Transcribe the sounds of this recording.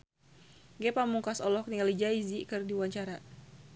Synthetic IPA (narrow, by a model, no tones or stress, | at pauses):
ɡɛpamuŋkasɔlɔk̚nialid͡ʒaizikɨrdiwaɲt͡ʃaɾa